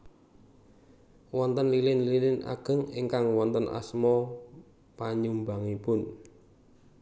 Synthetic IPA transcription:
wɔnt̪ənlilɪnlilɪna̰ɡ̥ə̤ŋiŋkaŋwɔnt̪ənʔa̰smɔ | paɲumbaŋipʊn

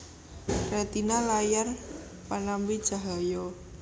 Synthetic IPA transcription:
rat̪inalajar | panambid̥ʒ̥a̤ɦajɔ

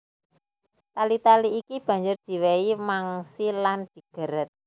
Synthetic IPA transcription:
t̪alit̪aliːkib̥ä̤ɲd͡ʒʊrd̪̥i̤weimaŋsiland̪̥i̤ɡ̥ə̤ɾət̪̚

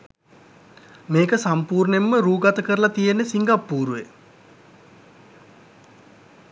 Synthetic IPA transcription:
meːkəsampuːɾnemːəɾuːɡat̪əkəɾəlat̪ijenːesiŋɡapːuːɾuʋe

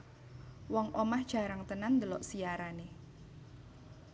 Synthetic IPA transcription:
wɔŋʔomahd̥ʒ̥a̤ɾaŋt̪ənand̪əlɔʔsiaɾane

